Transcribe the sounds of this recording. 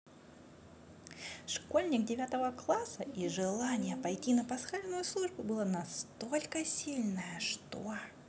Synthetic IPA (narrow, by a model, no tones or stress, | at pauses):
ʂko̞lʲnʲɪkdʲɪvʲat̪əvəklˠasəʔiʐɨlˠanʲɪjəpɐjtʲinəpɐsxalʲnʊjʊslˠuʐbʊbɨlˠanɐst̪o̞lʲkəsʲilʲnəjəʂt̪o